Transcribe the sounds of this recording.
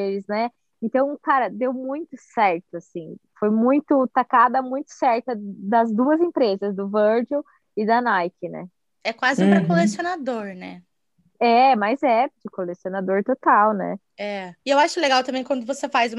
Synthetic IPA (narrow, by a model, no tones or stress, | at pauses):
elɪznɛ | ẽnt̪ɐ̃w̃kaɾɐd̪ewmũj̃t̪ʊsɛɾt̪ʊasĩfojmũj̃t̪ʊt̪akad̪ɐmũj̃t̪ʊ̥sɛɾt̪ɐd̪ɐzd̪uɐzẽpɾezɐzd̪ʊvɐɾd͡ʒow | ɪd̪ɐnajkɪnɛ̰ | ɛkwazɪpɾɾɐkolesionad̪oɾnɛ̰ | ɛmazɛd͡ʒɪkolesionad̪oɾt̪ot̪awnɛ̰ | ɛɪewaʃʊleɡawt̪ɐ̃mbẽj̃kwɐ̃nd̪ʊvosefajzũm